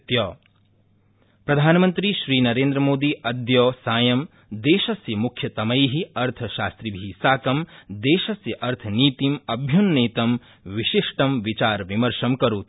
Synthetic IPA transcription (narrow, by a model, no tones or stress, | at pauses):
t̪jɐː | pɾɐd̪ʱaːnɐmɐnt̪ɾiʃɾiːnɐɾeːnd̪ɾɐmoːd̪iʔɐd̪jɔːsaːjɐm | d̪eːʃɐsjɐmukʰjɐt̪ɐmɐjɦiɐɾt̪ʰɐʃaːst̪ɾibʱiːsaːkɐmd̪eːʃɐsjɐʔɐɾt̪ʰɐniːt̪imɐbʱjunːeːt̪ɐm | ʋiʃiʂʈɐmʋit͡ʃaːɾʋimɐɾʃɐmkɐɾuːt̪